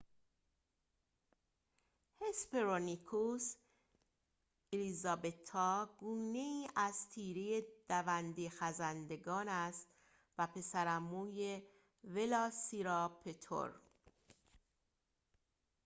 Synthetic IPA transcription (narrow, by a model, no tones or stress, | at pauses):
hespeɾonikʰus | elizɒbet̪ʰːɒːɡuːne̞iːʔæzt̪ʰiːɾeje̞d̪̥ævænd̪ixæzænd̪e̞ɡɒːnæst̪ | væpʰe̞sæɾæmuːje | ve̞lɒːsiɾɒːpʰe̞t̪ʰo̰ɾ